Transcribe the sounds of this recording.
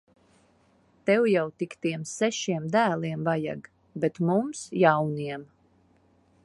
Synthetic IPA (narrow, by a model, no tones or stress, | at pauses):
t̪ɛwjawt̪ikt̪iɛmsɛʃiɛmd̪æːlˠiɛmvaja̰ɡ | bɛt̪mumsjawniɛm